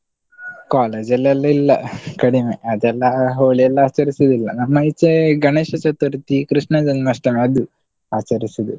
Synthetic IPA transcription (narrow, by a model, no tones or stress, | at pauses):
kaːleːd͡ʒɐlːɛlːɐilːɐkɐɽimeɐd̪ɛlːɐɦoːɭijɛlːɐaːt͡ʃɐɾisɐd̪ilːɐ̰nɐmːɐit͡ʃːeɡɐneːʃɐt͡ʃɐt̪uɾt̪ikɾiʂɳɐd͡ʒɐnmɐsʈɐmɐd̪u | aːt͡ʃɐɾisɐd̪u